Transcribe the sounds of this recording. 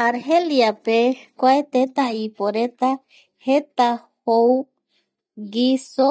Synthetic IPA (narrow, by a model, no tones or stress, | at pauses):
aɾɦeljapekʷaet̪et̪aipoɾet̪a | het̪a | how | ɡiso